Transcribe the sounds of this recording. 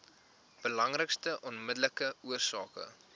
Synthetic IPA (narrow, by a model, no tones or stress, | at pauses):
b̥əlɐŋrəkstəʔɔnmədələkəuərsɑːkə̰